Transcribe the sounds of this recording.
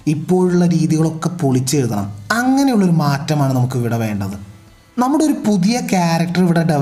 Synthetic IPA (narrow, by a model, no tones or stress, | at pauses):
ipːo̞ːɻuɭːɐɾiːðiɣɐɭo̞kːe̞poɭit͡ɕːeːɻuðɐɳɐ̰mɐŋːɐne̞juɭːo̞ɾumaːtːɐmaːɳɨnɐmukːɨʋiɽɐʋe̞ːɳɖɐðɨ | nɐmːuɽeo̞ɾupuðijɐkjaːɾɐk̚ʈɐriʋiɽɐɖɐ